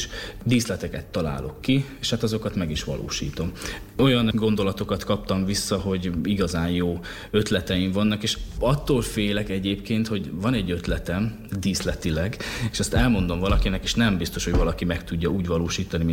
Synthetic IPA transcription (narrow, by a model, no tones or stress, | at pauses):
ʃd̪iːslɛt̪ɛkɛt̪ːɒla̰ːlo̞̰kːieːʃhat̪ɒzo̞kɒt̪mɛɡiʃʋɒ̰lo̰ːʃḭːt̪o̞m | o̞jɒnɡo̞nd̪o̞lɒt̪o̞kɒt̪kɒp̚t̪ɒɱvisːɒɦo̞ɟiɡɒzaːnjoː | ø̞t̪lɛt̪ɛiɱvɒnːɒkeːʃɒt̪ːoːlfeːlɛkɛɟeːpkeːnt̪ho̞ɟvɒnɛɟːø̞t̪lɛt̪ɛm | d̪iːslɛt̪ilɛɡeːʃɛst̪ɛlmo̞nd̪o̞mvɒlɒkinɛkeːʃnɛmbist̪o̞ʃho̞ɟvɒlɒkimɛkt̪uɟːɒuːɟʋɒloːʃiːt̪ɒnim